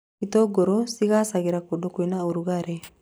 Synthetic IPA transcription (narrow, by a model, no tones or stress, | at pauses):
kitoɡoɾosikasaɡiɾakodokoinaoɾuɡaɾe